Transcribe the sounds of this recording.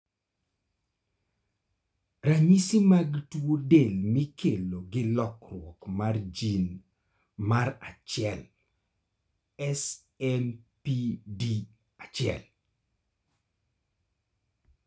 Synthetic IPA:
ɾamisimaɡtwodelmikʰeloɡɪlɔkrwɔkmard͡ʒin | marat͡ʃɪɛl | ɛs | ɛmpidi | at͡ʃɪɛ̰l

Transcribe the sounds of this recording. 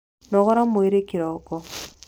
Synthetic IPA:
nɔɣɔɾamoeɾekiɾɔkɔ

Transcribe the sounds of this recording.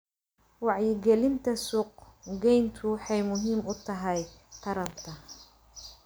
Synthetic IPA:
wɑʕjɪɡɛlɪnt̪ʰɐsuːq̚ɡɛjnt̪ʰʊħɑjmʊɦiːmʊt̪ʰɐɦɛjqʰɐɾɐmt̪ʰɐ

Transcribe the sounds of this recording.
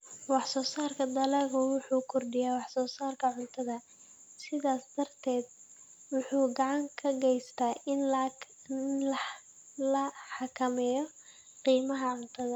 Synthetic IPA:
wɑħsɔːsaːrkʰɐd̪ɐlɛːɣʊwʊħuːkʰɔrɖɪjaːwɑħsɔːsaːrkʰɐʕʊnt̪ʰɐðɐ | sɪðaːsd̪ɐrt̪ʰɛːd̪̚ | wʊħuːɡɑʕɑŋkʰɐɡɛjst̪ʰaːɪn | lɐ | lɐħɑkʰɐmɛːjɔ | qiːmɐɦɐʕʊnt̪ʰɐðɐ

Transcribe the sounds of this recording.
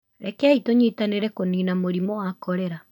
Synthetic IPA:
ɾɛkɛaitoɲitaneɾɛkoniːnamoɾimoɔakɔɾɛɾa

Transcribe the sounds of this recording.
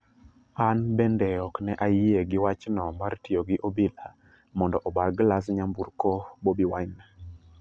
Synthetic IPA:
anbɛndɛɔknɛʔajieɡɪwat͡ʃnɔmartijoɡɪʔobila | mɔndɔʔɔbalɡlas̬ɲambuɾkobobiwaɲna

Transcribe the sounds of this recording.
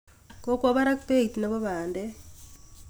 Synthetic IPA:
kokwaβaɾakteitinaβoβaːnde

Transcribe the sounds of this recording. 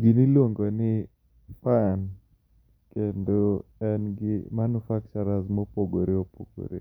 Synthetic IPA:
ɡinilwoŋɡonɪ | pan | kendoɛnɡɪmanufak̚t͡ʃɔɾazmɔpoɡoɾeopo̰ɡo̰ɾḛ

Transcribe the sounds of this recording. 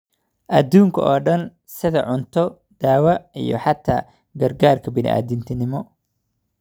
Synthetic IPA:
ʔɐd̪uːŋkʰɐʔɔːɖɐn | sɪðɐʕʊnt̪ʰɔ | d̪̥aːwɐḭjɞ̰ħɑt̪ʰːa̰ː | ɡɐrɡaːrkʰɐbɪnɪ̰ʔa̰ːðɪnt̪ʰɪnɪmɔ

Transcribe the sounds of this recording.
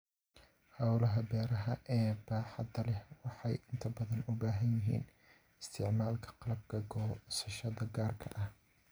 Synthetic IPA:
hɐwlɐɦɐbɛːɾɐɦɐʔɛːbaːħɑd̪ɐlɛhwɑħɑjʔɪnt̪ʰɐbɐðɐnʊbaːɦɐnjɪɦḭːn | ɪst̪ʰɪʕmaːlkʰɐ̥qɑlɐb̚kʰɐɡɔːsɐʃɐðɐɡaːrkʰɐ̰ʔɐh

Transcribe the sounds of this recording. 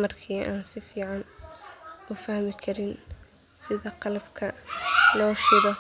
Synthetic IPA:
mɐrkʰiːʔaːnsɪfiːʕɑn | ʊfɐhmɪkʰɐɾɪn | sɪðɐqɑlɐbkʰɐlɔːʃɪɾɔ

